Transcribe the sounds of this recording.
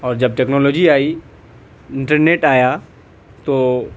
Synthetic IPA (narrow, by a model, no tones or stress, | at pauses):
ɔːɾd͡ʒɐb̚ʈeːknɔːloːd͡ʒiaːi | ɪ̃ɳʈəɾneːʈaːja | t̪oː